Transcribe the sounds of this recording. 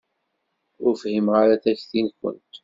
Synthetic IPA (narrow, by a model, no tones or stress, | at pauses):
ʊɾfhimʁaɾaθæçθinkːə̰nt̪